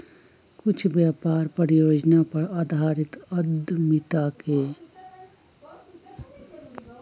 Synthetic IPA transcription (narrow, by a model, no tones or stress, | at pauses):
kʊt͡ʃʰbjaːpaːɾpəɾijoːd͡ʒnapəɾaːd̪ʱaːɾɪt̪əd̪ʱmɪt̪ake